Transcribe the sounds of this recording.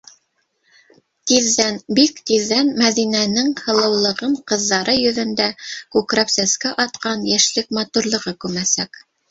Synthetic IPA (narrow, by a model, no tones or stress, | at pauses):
t̪iðːænbikt̪iðːænmæðinænɘŋhɤ̆lˠɤ̆wlˠɤ̆ʁɤɴqɤ̆ðːɑɾʔɤjɵ̆ðɵ̆nd̪ækʉkɾæpsæskæʔɑt̪qɑnjæʃlɘkmɑt̪uɾlˠɤ̆ʁɤkʉmæsæk